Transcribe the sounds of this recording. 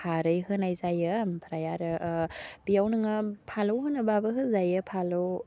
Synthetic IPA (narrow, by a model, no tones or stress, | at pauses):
aɾɯjɦɯnajzajɯmpʰɾajaɾɯʔbijawnɯŋapʰalowɦɯnɯbabɯɦɯzajɯpʰalow